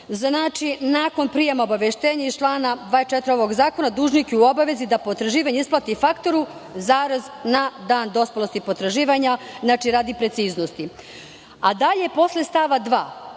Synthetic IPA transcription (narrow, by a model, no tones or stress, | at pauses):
znaːt͡ʃinaːko̞npɾiːjemaobaʋeʃt̪eːɲaizt͡ʃlˠaːnad̪ʋaːet͡ʃet̪ɾio̞ʋo̞ɡzaːko̞nad̪uːʒnikeuobaʋe̞zid̪apot̪ɾaʒiːʋaɲeisplˠat̪ifakt̪o̞ɾu | zaːɾaznad̪aːnd̪o̞spalost̪ipot̪ɾaʒiːʋaɲaznaːt͡ʃiɾaːd̪ipɾe̞t̪siːznost̪i | ad̪aʎepo̞slest̪aʋad̪ʋaː